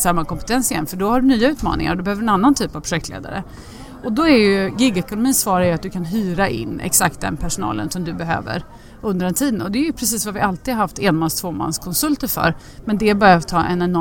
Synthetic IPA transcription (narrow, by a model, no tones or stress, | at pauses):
samːakɔmpɛt̪ʰɛnsɪjɛ̰nfœɖɔhaɖɵnyːaʉ̟ːt̪mɑ̰ːnɪ̰ŋa̰ɾɔd̪ɵbɛhøːvəɾɛnanːant̪ʰyːpavpʰɾʊʂɛkt̪lḛːd̪a̰ɾə̰ | ɔd̪ɔɛɾjɵɡɪɡɛkʊnʊmiːnsvɑːɾajɵat̪̚d̪ɵkʰanɦyːɾaʔɪ̰nːɛ̰ksak̚t̪̚d̪ɛ̰npʰæʂʊnɑ̰ːlə̰nsɔmd̪ɵbɛɦø̰ːvə̰ɾ | ɵnd̪əɾd̪ɛnt̪ʰiːd̪ənɔd̪ɛːjɵpʰɾɛsiːsvavɪʔalt̪id̪aɾhaft̪ɛːnmanst̪ʰvoːma̰nskʰɔnsɵlt̪əɾfœ̰ɾ | mɛnd̪ɛbœɾjat̪ʰɑːʔɛnɛnɔ